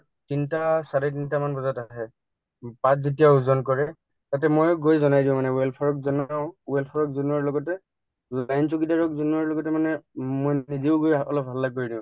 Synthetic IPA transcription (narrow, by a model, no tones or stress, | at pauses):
tintasaɹɛt̬intamanbɔzɔtaɦɛ | patzet̬ijauzɔnkɔɹɛ | tatɛmojɡojzɔnajdiʊ̃manɛwɛlpʰɔɹɔk̚zɔnaʊ̃wɛlpʰɔɹɔkzunuɔɹlɔɡɔtɛ | lajnsukitaɹɔkzunuɔɹlɔɡɔtɛmanɛmojniziʊɡojɔ̰lɔp̚alːakoɹidiʊ̃